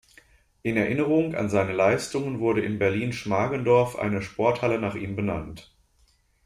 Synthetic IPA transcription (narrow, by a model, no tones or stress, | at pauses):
ʔɪnɛɐʔɪnəʁ̞ʊŋa̰nzaɪnəlaɪstʊŋənvʊɐɾəʔɪnbɛɐliːnʃmaːɡəndɔɐfʔa̰ɪnəʃpɔɐthalənaːχiːmbəna̰nt